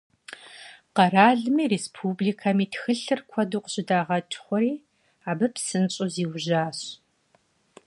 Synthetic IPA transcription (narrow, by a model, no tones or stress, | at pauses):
qɐraːɮmiːreːspʰuːbliːkʰamiːtʰxɨɬɨrkʷʰɔduːqəɕʼɪdaːʁɐt͡ʃʼχʷɔɾiː | aːbɨpʰsɨnɕʼoziːwʑaːɕ